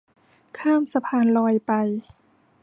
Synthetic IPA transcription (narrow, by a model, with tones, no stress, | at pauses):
kʰaː˥˩msa˧pʰaː˧nlɔː˧jpa˧j